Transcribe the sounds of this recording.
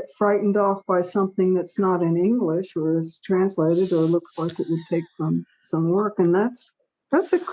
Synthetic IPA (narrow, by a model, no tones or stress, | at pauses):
tfɹaɪʔn̩dɔfb̥aɪsʌ̃mθɪ̃ŋðɨtsnəɾɨ̃nɪ̃ŋɡlɪʃə˞ɨstʰɹ̥æ̃nsleɪɾɨɾə˞lʊkslaɪkɨʔ̚wəd̚tʰeɪkfɹʌ̃m | sʌ̃mwɜ˞kɨ̃nðæts | ðætsɨkʰ